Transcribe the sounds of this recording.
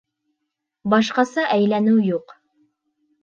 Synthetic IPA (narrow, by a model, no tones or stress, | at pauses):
bɑʃqɑsɑʔæjlænɘwjuq